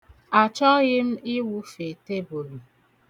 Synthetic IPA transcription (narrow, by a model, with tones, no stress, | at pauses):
a˨t͡ʃɔ˦ɣɪ˦m̩˦ɪ˦wu˦fe˨te˦bo˨lu˨